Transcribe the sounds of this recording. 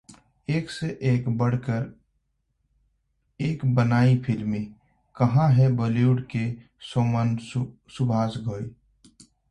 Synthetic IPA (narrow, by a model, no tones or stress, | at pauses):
eːkseʔeːkbəɽ̤kəɾ | eːkbənaːipʰɪlmẽ | kɐɦãɦɛbəljuːɖke | soːmən | sʊbʱaːsɡʱoːi